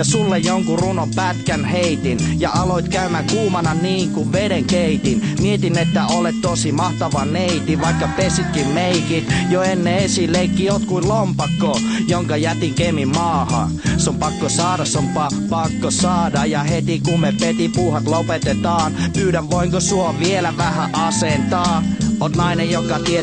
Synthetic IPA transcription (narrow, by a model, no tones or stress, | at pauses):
ɑsulːejjoŋkurunompæt̪kænheit̪injɑɑloit̪kæymækuːmɑnɑniːŋkuʋʋedeŋkeit̪inmiet̪inet̪ːæolet̪t̪osimɑht̪ɑʋɑnneit̪iʋɑikːɑpesit̪kimmeikit̪joenːeesiːlleikːiot̪kuillompɑkːo | joŋkɑjæt̪iŋkemimmɑːhɑ̰ | sompɑkːosɑːɾɑssompɑ | pɑkːosɑːdɑjjɑhet̪ikummepet̪ipuːhɑt̪lopet̪et̪ɑːnpyːdæʋʋoiŋkosuoʋʋielæʋæhæʔɑsent̪ɑːot̪nɑinejjokːɑt̪ie